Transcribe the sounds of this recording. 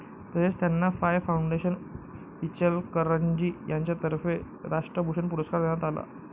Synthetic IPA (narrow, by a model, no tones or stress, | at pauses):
t̪əset͡st̪janːafajʋfauɳɖeɕən | ʋit͡ɕəlkəɾəɲd͡ʑiːjaɲt͡ɕjat̪əɾfe | ɾaʂʈɾəbʱuʂənpuɾəskaɾd̪eɽ̃at̪ala̰